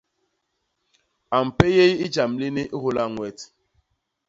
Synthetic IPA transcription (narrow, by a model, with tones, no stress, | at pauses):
a˨m̩˨pe˦je˦ji˦d͡ʒa˨mli˦ni˦ʔi˦ɦu˦la˦˨ŋwɛ˨t